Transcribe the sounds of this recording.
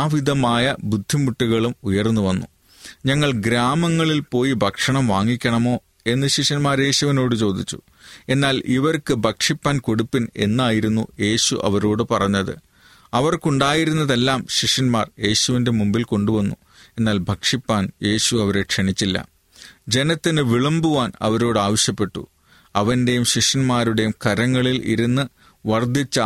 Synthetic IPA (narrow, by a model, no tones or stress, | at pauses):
aːʋiðɐmaːjɐbud̪ʱːimuʈːiɣɐɭumujɐrnːuʋɐnːu | ɲɐŋːɐɭɡɾaːmɐŋːɐɭilpo̞ːjibʱɐkʂɐɳɐmʋaːŋːikʲːɐɳɐmo̞ː | e̞nːɨɕiʂɐnmaːɾe̞ːɕuʋino̞ːɽɨt͡ɕo̞ːd̪ʱit͡ɕːu̥̰ | e̞nːaːlʔiʋɐrkɨbʱɐkʂipːaːnko̞ɽupːine̞̰nːaːjiɾunːṵje̞ːɕṵʔɐ̰ʋɐɾoːɽɨpɐrɐɲːɐðɨ̰ | ɐʋɐrkuɳɖaːjiɾunːɐðe̞lːaːmɕiʂɐnma̰ːrje̞ːɕuʋinde̞mumbilko̞ɳɖuʋɐnːṵ | e̞nːaːlbʱɐkʂipːaːnje̞ːɕuɐʋɐɾe̞kʂeɳit͡ɕːilːɐ̰ | d͡ʑe̞nɐt̪ːinɨʋiɭɐmbuʋaːnɐ̰ʋɐɾo̞ːɽɨaːʋɐɕjɐpːe̞ʈːṵ | ɐʋɐnde̞jumɕiʂɐnmaːɾuɽe̞jumkɐɾɐŋːɐɭilʔḭɾunːɨ | ʋɐrd̪ʱit͡ɕːɐ